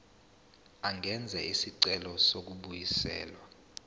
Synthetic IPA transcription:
aŋʱɛnd͡zʱɛisiǀɛlɔsok̬uɓujisɛ̰ːlwa

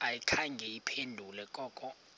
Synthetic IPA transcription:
ajikʰaŋɡʱɛipʰendʱulɛkʼɔːkʼɔ

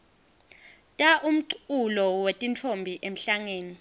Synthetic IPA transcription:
tʼaʔum̩ǀulɔwetʼint͡fʰombʱiʔem̩ɬaŋeːni

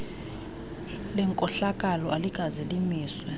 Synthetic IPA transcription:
lɛŋkʼɔɬakʼalɔʔaliɡʼʱazilimiːswɛ

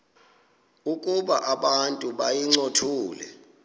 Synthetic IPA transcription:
ukʼuɓaʔaɓantʼuɓajiŋ͡ǀotʰuːlɛ̰

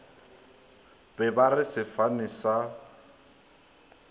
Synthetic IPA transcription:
bɛbarɪsɪfanɪsa

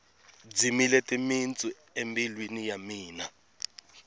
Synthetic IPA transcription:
d͡zimilɛtʼimint͡sʼu | embilwinijamiːna

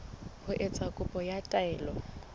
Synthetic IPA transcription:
hʊʔɛt͡sʼakʼʊpʼɔjatʼaɛːlɔ

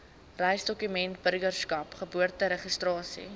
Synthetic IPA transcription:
rɛjsdɔkymɛntbərɡərskɐpχəbuərtəɾəχəstrɑːsḭ

